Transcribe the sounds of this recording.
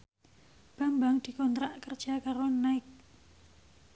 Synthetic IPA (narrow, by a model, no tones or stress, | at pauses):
b̥a̤mbaŋd̪̥i̤kɔnt̪ɾaʔkərd̥ʒ̥a̤kaɾonaɪk̚